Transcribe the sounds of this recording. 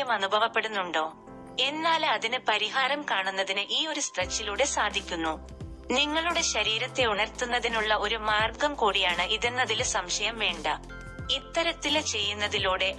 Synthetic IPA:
ɐmɐnubʱɐʋɐpːe̞ɽunːuɳɖo̞ː | e̞nːaːlɐðinɨpɐɾiɦaːɾɐmkaːɳunːɐðinɨʔiːo̞ɾust̪ɐt͡ɕːiluːɽe̞saːd̪ʱikʲːunːu | niŋːɐɭuɽe̞ɕɐɾiːɾɐt̪ːe̞uɳɐrt̪ːunːɐðinuɭːɐo̞ɾumaːrɡɐmkuːɽijaːɳɨʔiðenːɐðilsɐmɕɐjɐmʋe̞ːɳɖɐ | it̪ːɐɾɐt̪ːilt͡ɕe̞jːunːɐðiluːɽe̞

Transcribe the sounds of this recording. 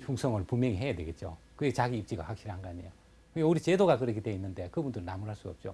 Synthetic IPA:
pʰuŋsʰʌŋɯɭpumjʌŋiɦe̞jadwe̞ɡe̞t̚t͡ɕ͈o̰kɯɡet͡ɕaɡiːp̚t͡ɕ͈iɡa̰ɸwak̚ɕ͈iɾihaŋɡɯaɲijo | kɯɡuɾit͡ɕe̞doɡakɯɾekʰitweinːɯnde̞kɯbundɯɾɭnamuɾɦaɭs͈uʌp̚t͡ɕ͈o̰

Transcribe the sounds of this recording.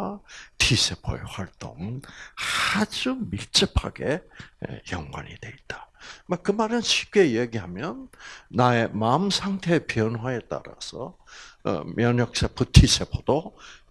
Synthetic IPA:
tʰisʰepʰo̰ḛɸwaɭt͈o̰ŋ | ad͡ʑumiɭt͡ɕ͈ɯpʰa̰ɡe̞̰ | jʌŋɡwa̰ɲḭdwe̞it̚t͈amakɯmaɾɯnɕʰi̥p̚k͈e̞jeɡiɦamjʌnːae̞maɯmsʰaŋtʰe̞piʌnwae̞t͈a̰ɾa̰sʰʌ̰ | mʔjʌɲjʌk̚s͈ʰepʰɯtʰisʰepʰodo

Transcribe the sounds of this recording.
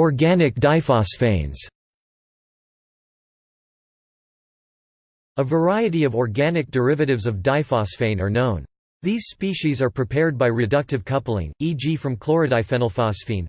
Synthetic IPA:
ɔɹɡænɨk̚d̥aɪfɑsfẽɪ̃nz̥ | əvə˞aɪɨɾiʌvɔɹɡænɨk̚d̥ə˞ɪvɨɾɨvzʌvdaɪfɑsfẽɪ̃nə˞nõʊ̃n | ðiz̥spiʃizə˞pʰɹ̥ipʰɛɹd̚baɪɹɨdʌk̚tɨv̥kʰʌpl̩ˠɪ̰̃ŋid͡ʒifɹʌ̃mkʰl̥ˠɔɹɨdaɪfɛ̃nl̩ˠfɑsfĩn

